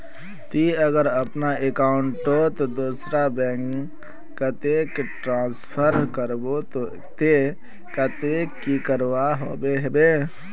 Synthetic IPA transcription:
t̪iəɡəɾəpnaekaʊɳʈot̪od̪osɾabɛ̃ŋ | kːət̪ekʈɾãspʰəɾkəɾbot̪o | t̪e | kət̪ekːikəɾwaɦo̰beɦebe

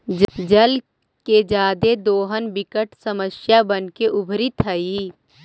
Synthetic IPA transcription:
d͡ʒd͡ʒəl | ked͡ʒaːd̪ed̪oːɦənbɪkəʈsəməsjabənkeʔʊbʱɾit̪ʰəiː

